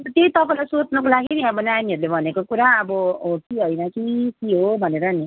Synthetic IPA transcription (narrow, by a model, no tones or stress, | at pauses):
t̪ʌt̪jeit̪ʌpaĩlajsot͡snʌkolaɡiniʌbʌnajniɦʌɾulebʱʌnekokuɾaʌbʌkiɦojnʌkikiɦobʱʌneɾʌni